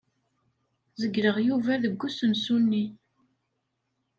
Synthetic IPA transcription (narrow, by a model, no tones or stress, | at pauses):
zəɡːɾəʁjuvæðəɡʷːusənsunːi